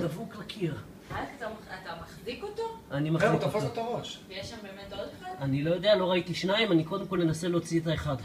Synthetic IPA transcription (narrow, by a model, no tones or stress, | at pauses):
davuklakʰiʁ | aat̪amat̪amaχzikot̪oʔanimakt̪afaot̪aʁoʃjeʃambemet̪od̪χadanilo̞jo̞d̪ealo̞ʁait̪iʃnaimaniko̞d̪emkolne̞nase̞leot͡siet̪̬aeχad̪